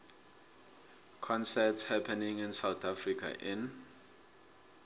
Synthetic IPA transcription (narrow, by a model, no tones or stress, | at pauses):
kʰɔ̃nsɛtshɛpʰɛnĩŋinsawt̪ʰafrikʰa̰ʔɪn